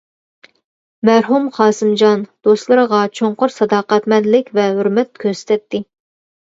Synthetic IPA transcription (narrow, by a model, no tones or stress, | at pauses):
mæɾɦumχɑːsɨmd͡ʒɑnd̪̥ost̪lˠɨɾəʁɑt͡ʃʰoɴqʊɾsɑd̪ɑːqæt̪mɛnlɪkʲvɛɦøɾmɛt̪̚kʲʰøsɪ̥t̪ɛt̪ʰːɪ